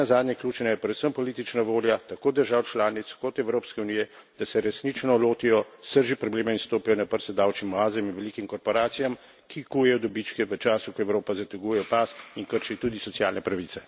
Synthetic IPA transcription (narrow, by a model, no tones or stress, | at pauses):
azaːd̪ɲʲɛklʲjuːt͡ʃnajɛpɾɛd̪səmpɔlit̪it͡ʃnaʋoːljat̪akoːd̪əɾʒaːwt͡ʃlaːnit̪skɔt̪ɛwɾoːpskɛuniːjɛ | d̪̥asɛɾɛsnit͡ʃnɔloːt̪ijɔst̪əɾʒipɾɔbleːmɛinst̪oːpijɔnapəɾsɛd̪awt͡ʃimɔaːzɛminʋɛlikimkɔɾpɔɾaːt̪sijam | kikujɛjɔd̪ɔbit͡ʃkɛʋət͡ʃaːsukɔɛwɾoːpazat̪ɛɡujɛjɔpasinkəɾʃit̪uːd̪isɔtsjaːlnɛpɾaʋit̪sɛ̥